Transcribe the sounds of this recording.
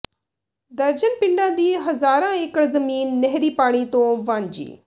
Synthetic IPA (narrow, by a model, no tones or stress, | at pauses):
d̪ɐɾd͡ʒənpɪ̃ɳɖãːd̪iːɦɐzaːɾãːeːkəɽzɐmiːnːɛɦɾiːpaːɽ̃it̪õːʋãːɲd͡ʒḭː